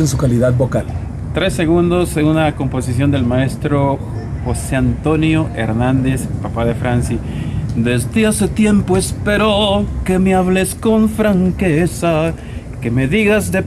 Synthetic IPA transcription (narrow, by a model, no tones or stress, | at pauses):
ensukaliðaðbokal | t̪ɾe̞sːe̞ɣund̪o̞seɣunako̞mpo̞sisjond̪e̞lmae̞st̪ɾo | xo̞seant̪o̞njo̞ʔe̞̰ɾnãnd̪e̞spapaðe̞fɾansi | d̪e̞zd̪easet̪je̞mpoespeɾoke̞meaβle̞sko̞ɱfɾaŋkesa | ke̞me̞ðiɣazðe